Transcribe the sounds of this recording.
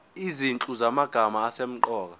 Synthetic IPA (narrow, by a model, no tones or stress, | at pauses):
izint͡ɬʼuzamaɡ̥ʱamaːsem̩ǃɔːk̬a